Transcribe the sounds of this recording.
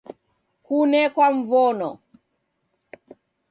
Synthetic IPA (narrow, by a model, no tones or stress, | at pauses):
kunɛkwaɱvɔnɔ